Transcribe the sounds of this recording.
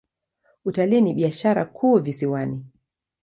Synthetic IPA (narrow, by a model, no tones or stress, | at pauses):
utaliːniɓiaʃaɾa̰kʰuːvisiwani